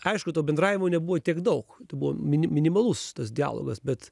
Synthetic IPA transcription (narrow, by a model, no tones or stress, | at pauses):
ɐɪʃkʊt̪oːbʲɛnd̪ɾɑːʋʲɪmoːnʲɛbuʋoːt̪ʲiɛkd̪ɐʊkt̪ɐɪbuʋo̰mʲɪnʲmʲɪnʲɪmɐlˠʊst̪ɐsd̪ʲɪæ̰ːlˠo̰ːɡɐsbʲɛt̪